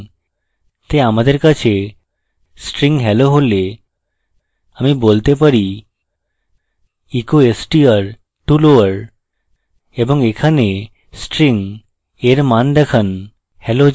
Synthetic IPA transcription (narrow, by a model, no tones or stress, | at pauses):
t̪eamad̪eɾkat͡ɕʰe | sʈɾiŋɦɛloɦole | amibolt̪epəɾi | ikoesʈiəɾ | ʈuloəɾ | ebɔŋekʰane | sʈɾiŋ | eɾmand̪ɛkʰən | hɛlo